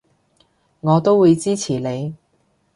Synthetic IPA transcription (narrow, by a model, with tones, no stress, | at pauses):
ŋɔː˨˧t̪o˥wuː˨˧jt͡siː˥t͡sʰiː˨˩le˨˧j